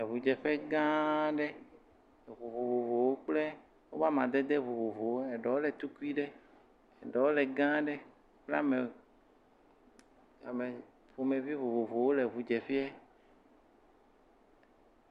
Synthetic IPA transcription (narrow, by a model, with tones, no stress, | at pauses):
e˨βu˨d͡ʒɛ˨ɸɛ˦ɡã˦ɖɛ˦˨ | βo˨βo˨vo˨vo˨wo˦k͡plɛ˦ | wo˦va˦mã˨d̪ɛ˦d̪ɛ˦βo˨vo˨vo˨wo˦ɛ˨ɖɔ˨wo˦lɛ˨t̪u˦ku˦i˦ɖɛ˦ | e˨ɖɔ˨wo˦lɛ˨ɡã˦ɖɛ˦ | k͡ple˦a̰˦me˨ | a˨me˨ | ɸo˨mẽ˨vi˦βo˨vo˨vo˨wo˦le˨βu˨d͡ʒɛ˨ɸi˦ɛ˦